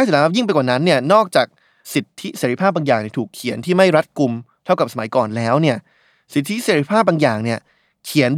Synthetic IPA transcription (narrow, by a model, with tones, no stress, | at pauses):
a˥˩s̚ʰaː˨˦a˥˩ji˥˩ŋ̬pa˧jkwaː˨˩na˦˥nːi˥˩ɐnɔː˥˩k̚t͡ɕaː˨˩k̚ | si˨˩t̪ʰːi˦˥seː˩˦ɾi˧˥pʰaː˥˩p̚baː˧ŋjaː˨˩ŋni˥˩t̪ʰuː˨˩kʰːi˨˩˦ənt̪ʰiː˥˩ma˥˩jɾa˦˥t̪̚ku˧mt̪ʰa˥˩wka˨˩p̚sa˧ma˨˩˦jkɔː˨˩nlɛː˦˥wni˥˩ɐ | si˨˩t̪ʰːi˦˥seː˧˦ɾi˦˥pʰaː˥˩p̚baː˧ŋjaː˨˩ŋni˥˩ɐ | kʰi˨˩˦ən